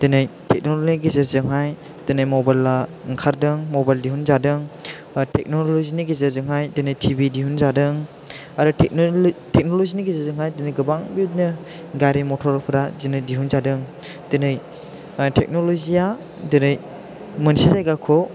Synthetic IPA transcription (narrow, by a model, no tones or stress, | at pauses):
d̥ɯnɯjtʰek̚nolniɡezəɾzɯŋɦaj | d̥ɯnɯjmɔbajlaŋkʰaɾdɯŋmobajldiɦunzadɯŋ | tʰek̚noloziniɡezɯɾzɯŋɦajdɯnɯjtʰibidiɦunzadɯŋ | aɾɯtʰek̚tʰek̚noloziniɡezɯzɯŋɦajdɯnɯjɡɯbaŋbit̚nɯ | ɡaɾimɔtʰɔɾpʰɯɾadinɯjdiɦunzadɯŋ | d̥ɯnɯj | tʰek̚nɔlɔzia | dɯnɯj | mɯnsizajɡakʰɔ